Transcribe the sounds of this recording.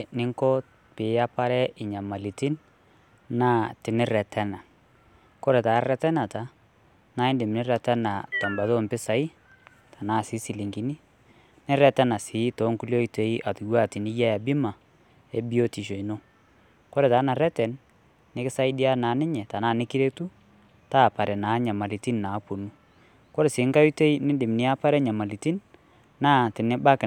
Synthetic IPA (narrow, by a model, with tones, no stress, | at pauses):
nɪ˦ŋkɔ˦ | pɪ˨˦ja˦pa˦ɾɛ˦ɪ˨ɲa˨ma˨li˨ti˦n | naː˦tɪ˨nɪ˦ɾɛ˨tɛ˦na˨ | kɔ˦ɾɛ˨taː˨˦rɛ˦tɛ˦na˨ta˨˦ | na˦ɪ˦ndɪ˨mɪ˨nɪ˦ɾɛ˨tɛ˦na˨ta˨mba˨to˦mpɪ˦sa˨˦i˦ | ta˨na˦si˨˦si˨li˨ŋɡi˨ni˦ | nɪ˦ɾɛ˦tɛ˦na˨sɪ˨˦tɔ˨˦ŋku˦ljo˦i˦te˨˦i˦ʔa˨tu˨ɡwa˦˨ti˨nɪ˦ja˦ja˨bɪ˦ma˨ | e˦bi˦o˦ti˨ʃ̬o˨i˨no˦ | kɔ˦ɾɛ˨taː˨˦na˨ɾɛ˦tɛ˨n | nɪ˦kɪ˦sa˦i˦di˦a˦na˨˦nɪ˦ɲɛ˨ta˨naː˦˨nɪ˦ki˦ɾe˦tu˦ | taː˦˨pa˨ɾɛ˨naː˨˦ɲa˨ma˨li˨ti˦n˨na˨˦pu˨nu˦ | kɔ˦ɾɪ˨sɪ˨˦ŋka˦ju˦te˦i˦nɪ˦dɪ˨mnɪ˦a˦pa˦ɾɛ˦ɲa˨ma˨li˨ti˦n | naː˦˨tɪ˨nɪ˦ba˦kɪ˨